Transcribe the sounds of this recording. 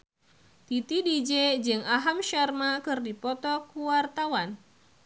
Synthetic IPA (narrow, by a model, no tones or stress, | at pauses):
t̪it̪idid͡ʒɛd͡ʒɨŋaɦamʃarmakɨrdipɔt̪ɔkuwart̪awan